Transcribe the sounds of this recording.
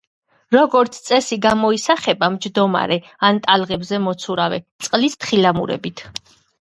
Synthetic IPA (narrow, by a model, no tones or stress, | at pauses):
ɾɔɡɔɾt̪sʰt̪sʼɛsiɡamɔisaχɛbamd͡ʒd̪ɔma̰ɾɛ | ant̪ʼalˠʁɛbzɛmɔt̪sʰuɾavɛt̪sʼqʼlist̪ʰχilamṵɾɛ̰bit̪ʰ